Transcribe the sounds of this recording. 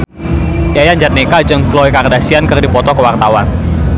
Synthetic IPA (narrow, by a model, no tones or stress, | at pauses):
jajaɲd͡ʒat̪̚nekad͡ʒəŋklɔjkardasiankərdipɔt̪ɔkəwart̪awan